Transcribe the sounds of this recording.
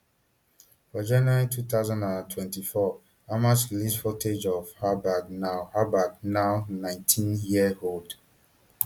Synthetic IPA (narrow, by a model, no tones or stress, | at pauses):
fɔd͡ʒɛnaɹitʰut̪aʊzãndãntʰwɛ̃ntifɔ | amasilisfɔtʰed͡ʒɔvhabadnaʊhabad̚naʊnãɪ̃ntʰĩnjiəhold